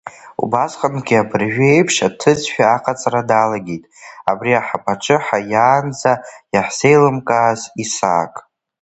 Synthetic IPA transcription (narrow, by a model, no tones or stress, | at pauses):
ṵbasχənɡʲiabɨrʒᶣejpʰʂatʰɨd͡zħᶣaːqʼat͡sʼradalaɡʲejtʼabriaħapʰʼaʈ͡ʂʰɨħajaːnd͡zajaħse̞jlɨmkʼaːzisa̰ːkʼ